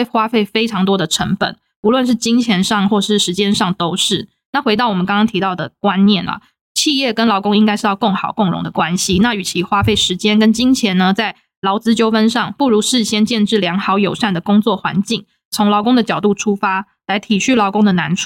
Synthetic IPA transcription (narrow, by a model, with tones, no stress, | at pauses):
xwa˥fe˥˩ɪfe˥ɪʈ͡ʂʰɑ˧˥ŋt̪̬wɔ˥d̪ə˨ʈ͡ʂʰə˧˥ŋpə̰˨˩˦n | pu˧˥lwə˥˧nʂ̬ɻ̩˥˩t͡ɕi˥ŋt͡ɕʰjɛ˧˥nʂɑ˥˧˨ŋxwɔ˥˧˩ʂɻ̩˥˩ʂɻ̩˧˥t͡ɕjɛ˥nʂɑ˥˩ŋt̪o˥ʊʂɻ̩˥˩ | na˥˩xwe˧˥ɪt̪ɑ˥˩wɔ˨˩mə˦kɑ˥ŋkɑ˥ŋt̪ʰi˧˥t̪ɑ˥˩ʊd̪ə̰˩kwa˦nnjɛ˥˩nlɐ̰˩ | t͡ɕʰi˥˧jɛ˥˩kə˥nlɑ˧˥ʊkʊ˥ŋi˥ŋka˥ɪʂɻ̩˥˧jɑ˥˧ko˥˩ŋxɑ˨˩ʊkʊ˥˩ŋɻʊ̰˧˥ŋd̪ə˧kwa˦nɕi˧na˥˩y˨˩t͡ɕʰi˧˥xwa˥fe˥˩ɪʂɻ̩˧˥t͡ɕjɛ˥nkə˥nt͡ɕi˥ŋt͡ɕʰjɛ˧˥nnə˧t͡sa˥˩ɪ | lɑ˧˥ʊt͡sɹ̩˥t͡ɕjo˥ʊfə˥nʂɑ˥˧ŋpu˥˩ɻu˧˥ʂɻ̩˥˩ɕjɛ˥nt͡ɕjɛ˥˧nʈ͡ʂɻ̩˥˩ljɑ˧˥ŋxɑ˧˥ʊjo˨˩ʊʂa˥˩nd̪ə˩kʊ˥ŋt͡swɔ˥˩xwa̰˧˥nt͡ɕi˥˩ŋ | t͡sʰʊ˧˥ŋlɑ˧˥ʊkʊ˥ŋd̪ə˨t͡ɕjɑ˨˩ʊt̪u˥˩ʈ͡ʂʰu˥fa˥ | la˧˥ɪt̪ʰi˨˩ɕy˥˩lɑ˧˥ʊkʊ˥ŋd̪ə˨na˧˥nʈ͡ʂʰ